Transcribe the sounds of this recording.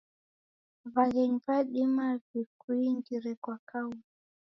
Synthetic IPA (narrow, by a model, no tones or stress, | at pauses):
vaɣɛɲpaɗimavikuiŋɡiɾɛkwakau